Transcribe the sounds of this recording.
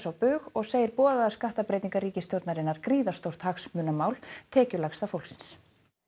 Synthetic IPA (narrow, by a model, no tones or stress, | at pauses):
sawpʏːɣɔɣseːjɪɾpɔːðaðaskaht̪apɾejt̪iŋkariːcɪst̪jowɾt̪naɾɪnːaɾ̥kɾiːðast̪owr̥t̪haxsmʏːnamaːwlt̪ʰɛːcʏlaxsθafowlksɪns